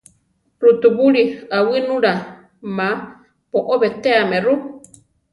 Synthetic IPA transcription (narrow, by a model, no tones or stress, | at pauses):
ɾut̪uβuɺiawɨnũɾa | mã | poʔoβet̪eamẽru